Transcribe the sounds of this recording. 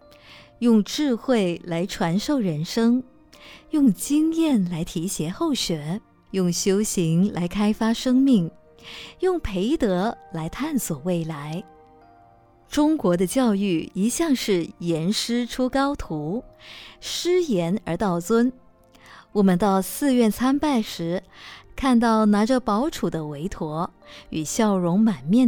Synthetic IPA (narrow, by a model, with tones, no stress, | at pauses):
jʊ˥˧ŋʈ͡ʂɻ̩˥˧xwe˥˩ɪla˧˥ɪʈ͡ʂʰwa˧˥nʂo˥˩ʊɻə˧˥nʂɤ˥ŋ | jʊ˥˩˧ŋt͡ɕi˥ŋjɛ˥˩nla˧˥ɪt̪ʰi˧˥ɕjɛ˧˥xo˥˩ʊɕɥɛ˨˩˦ | jʊ˥˩ŋɕjo˥ʊɕi˧˥ŋla˧˥ɪkʰa˥ɪfa˥ʂɤ˥ŋmi˥˩ŋ | jʊ˥˩ŋpʰe˧˥ɪt̪ɤ˧˥la˧˥ɪt̪ʰa˥˩nswɔ˨˩we˥˩ɪla˧˥ɪ | ʈ͡ʂʊ˥ŋkwɔ˧˥d̪ə˧t͡ɕjɑ˥˧ʊy˥˩i˧˥ɕjɑ˥˧ŋʂɻ̩˥˩jɛ˧˥nʂɻ̩˥ʈ͡ʂʰu˥kɑ˥ʊt̪ʰu˧˥ | ʂɻ̩˥jɛ˧˥nə˞˧˥t̪ɑ˥˩ʊt͡swə˥n | wɔ˨˩mə˧˦nt̪ɑ˥˧ʊsɹ̩˥˧ɥɛ˥˩nt͡sʰa˥npa˥˩ɪʂɻ̩˧˥kʰa˥˧nt̪ɑ˥˩ʊna˧˥ʈ͡ʂə˧pɑ˧˥ʊʈ͡ʂʰu˨˩d̪ə˦we˧˥ɪt̪ʰwɔ˧˥y˨˩ɕjɑ˥˩ʊɻʊ˧˥ŋma˨˩nmjɛ˥˩